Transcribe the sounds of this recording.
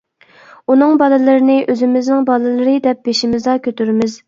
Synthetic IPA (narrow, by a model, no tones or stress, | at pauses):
unɨŋbɑlˠɨlˠɨɾɪnɪʔøzɪmɪznɪŋbɑlˠɨlˠɨɾɨd̪ɛp̚beʃimɪzlɑkʲʰøt̪yɾmɪz̥